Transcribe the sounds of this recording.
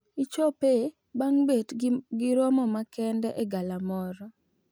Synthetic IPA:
ɪt͡ʃɔpe | baŋbetɡɪɾɔmɔmakɛndɛʔeɡalamɔɾɔ

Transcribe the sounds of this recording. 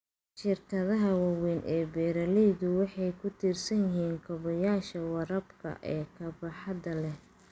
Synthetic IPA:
ʃɪrkʰɐðɐɦɐwɑwɛːnʔɛːbɛːɾɐlɛjðʊwɑħɑjkʰʊt̪ʰiːrsɐnjɪɦiːŋkʰɔβɔjaːʃɐwɐɾɐbkʰɐ̰ʔɛːkʰɐbɐħɑd̪ɐlɛ

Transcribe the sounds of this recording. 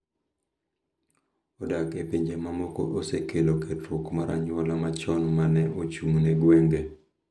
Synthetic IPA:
odakepiɲd͡ʒemamoko̰ʔosekʰeloketokmaɾʔa̰ɲwɔlamat͡ʃɔnmanɛot͡ʃumneɡweŋɡe

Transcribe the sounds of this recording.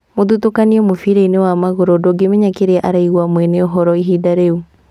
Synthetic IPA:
moðutokaniɔmofiɾainewamaɣoɾɔdɔɡemeɲakeɾeaʔaɾaiɣwamwɛneɔɦɔɾɔiɦidaɾeu

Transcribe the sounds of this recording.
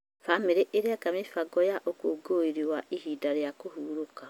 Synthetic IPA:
fameɾeʔeɾeakamefaɡɔjaʔokoɡoiɾiwaʔiɦidaɾeakohuːɾoka

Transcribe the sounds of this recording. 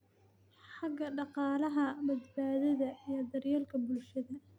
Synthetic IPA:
ħɑɡɐɖɑqɑːlɐɦɐbɐd̪baːðɐðɐijɞd̪ɐrjaːlkʰɐbʊlʃɐðɐ

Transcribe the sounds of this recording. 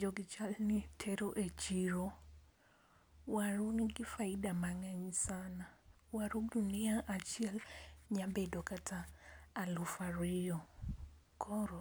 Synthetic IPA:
d͡ʒɔɡit͡ʃalnitʰeɾoʔet͡ʃiɾo | waɾuniɡifaidamaŋaɲisana | waɾuduniaʔat͡ʃiɛlɲabedokataːlufaɾijɔ | kʰɔɾɔ

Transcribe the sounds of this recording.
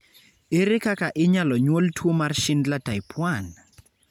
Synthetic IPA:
ɪɾɪkakaʔɪɲalɔɲwoltʰwomarʃɪndlatajpʰwan

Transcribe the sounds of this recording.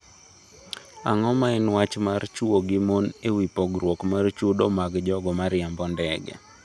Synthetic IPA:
a̰ŋɔmaɛnwat͡ʃmart͡ʃuoɡɪmonewipɔɡɾwokmart͡ʃudɔmaɡd͡ʒɔɡɔmaɾjambɔndɛɡɛ̰

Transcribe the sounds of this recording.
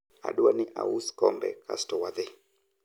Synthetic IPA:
a̰ɗuaniʔa̰uskɔmbɛ̰ka̰stɔwaðe

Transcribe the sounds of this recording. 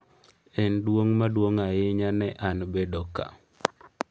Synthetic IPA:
ɛndwoŋmadwoŋajɪɲanɛʔanbedoka̰

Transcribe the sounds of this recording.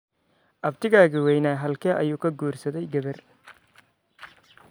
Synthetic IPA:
ʔɐbt̪ʰɪɣaːɣɪwɛjnaːɦɐlkʰɐːʔɐ̰juːkʰɐɡuːrsɐðɛjɡɐβɐr

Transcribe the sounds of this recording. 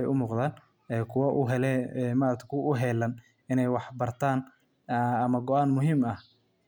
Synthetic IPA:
ɛjʊmuːqd̪aːn | ɛːkʰʊwɐʔʊɦɛlɛːɛmaːɾɐkt̪ʰkʰʊʔʊɦɛlɐn | ɪnɛjwɑħbɐrt̪ʰaːn | ɐmɐɡɔaːnmʊɦiːmɐh

